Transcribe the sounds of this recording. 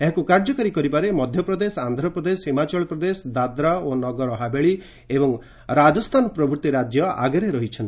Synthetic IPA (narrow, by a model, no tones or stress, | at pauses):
eɦakukaɾd͡ʒɔkɔɾikɔɾibaɾemɔd̪ʱjɔpɾɔd̪esand̪ʱɾɔpɾɔd̪eshimat͡ʃɔɭpɾɔd̪esɔd̪ad̪ɾaonɔɡɔɾɔɦabeɭi | ebɔŋ | ɾad͡ʒɔst̪ʰanɔpɾɔbʱuɾt̪iɾad͡ʒjɔa̰ɡeɾeɾɔɦit͡ʃʰɔnt̪i